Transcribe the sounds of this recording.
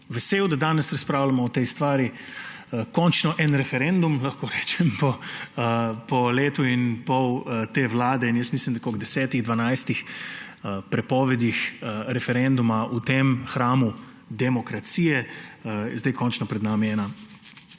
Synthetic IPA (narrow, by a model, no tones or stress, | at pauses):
ʋɛseːwd̪ad̪aːnɛsɾɐspɾaːwlamɔːt̪ejst̪ʋaːɾi | kɔnt͡ʃnɔʔɛnɾɛfɛɾɛnd̪umlaxkoːɾɛːt͡ʃɛmpɔ | pɔleːt̪uinpɔwət̪eːʋlaːd̪ɛinjəst̪mislimd̪akɔɡd̪ɛsɛːt̪iɣd̪ʋanajst̪ix | pɾɛpɔːʋɛd̪ixɾɛfɛɾɛnd̪umaut̪emxɾaːmu | d̪ɛmɔkɾat̪siːjɛ | zd̪ajkɔnt͡ʃnɔpɾɛd̪naːmiɛːna